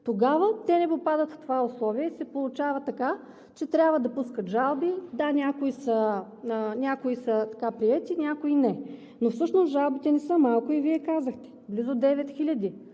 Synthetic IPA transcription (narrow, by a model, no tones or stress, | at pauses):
t̪oɡavət̪ɛnɛpopad̪ət̪ft̪ovaʊslˠɔviɛisɛpolˠʊt͡ʃavət̪ːɐka | t͡ʃɛt̪ɾʲabvəd̪ɐpuskət̪ʒalˠbid̪anʲakoisə | nʲakoisət̪ɐkapɾiɛt̪inʲakoinɛ | nofsɤʃnosʒalˠbit̪ɛnɛsɤmalˠkʊiviɛkazəxt̪ɛ̥blizod̪ɛvɛt̪xilʲɐd̪i